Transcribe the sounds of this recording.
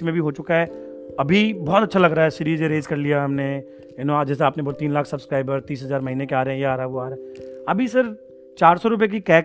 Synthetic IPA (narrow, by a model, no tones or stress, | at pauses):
mẽbʱiɦoːt͡ʃʊkaɦɛːɐbʱibɔːt̪ɐtːʃʰalɐɡɾaːɦɛsɪɾiːzeɾeːzkɐɾlijaɦɐmne | ɪnõad͡ʒɛːseaːpnebolt̪iːnlaːkʰsɐbskɾaːɪbəɾt̪iːsɦɐzaːɾmɐɦiːnẽkeaːɾeɦɛ̃jeaːɾaɦɛʋoaːɾaɦɛɐbʱisɐɾ | t͡ʃaːɾsɔɾʊp̬ek̬ikɛːk